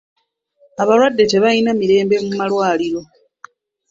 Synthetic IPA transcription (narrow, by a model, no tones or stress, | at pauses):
aβalwadːe̞te̞βainamiɾe̞ːmbe̞mumalwaːliɾo̞